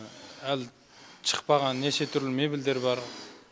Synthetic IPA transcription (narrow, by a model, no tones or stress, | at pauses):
æl | t͡ʃʰə̥qpɑʁɑnːet͡ʃʰet̪ʰʏɾlɪmebild̪eɾbɑɾ